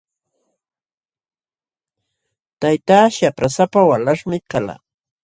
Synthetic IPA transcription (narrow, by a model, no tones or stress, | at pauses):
t̪ajt̪aːʃapɾasapawalaʂmɪkala̰